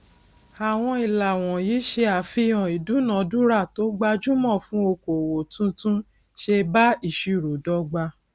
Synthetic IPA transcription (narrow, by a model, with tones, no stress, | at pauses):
a˨w̃ɔ̃˧i˨la˨w̃ɔ̃˨ji˨˦ʃe˧a˨fĩ˧ɔ̃˨i˨du˨˦nã˨˦du˦ɾa˦˨to˨˦ɡ͡ba˧d͡ʒu˦mɔ̃˦˨fũ˨˦o˧ko˨wo˨tũ˧˦tũ˦ | ʃe˧ba˦i˦˨ʃi˨ɾo˨dɔ˧˦ɡ͡ba˧